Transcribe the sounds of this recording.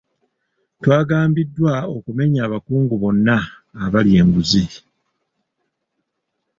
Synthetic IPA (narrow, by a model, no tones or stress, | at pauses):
twaːɡaːmbidːwaokume̞ɲaːβakuːŋɡuβo̞nːaː | βalje̞ːŋɡuzi